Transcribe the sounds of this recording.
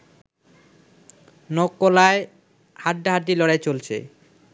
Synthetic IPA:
nɔkːolae | haʈːaɦaʈ̚ːilɔɽaet͡ɕolt͡ɕʰḛ

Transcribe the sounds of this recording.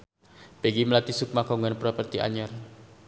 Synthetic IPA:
peɡiməlat̪isʊk̚makɔŋɡanpɾɔpərt̪iʔa̰ɲɔr

